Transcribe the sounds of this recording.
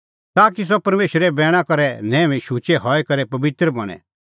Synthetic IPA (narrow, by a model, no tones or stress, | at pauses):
t̪aːkis̬ɔpɐɾmeːʃɾɛbɛːɽ̃akɐɾɛnɛ̃ːʋĩʃuːt͡ʃeɦɔːɛkɐɾɛpɐbɪt̪ɾəmɐñɛ̰̃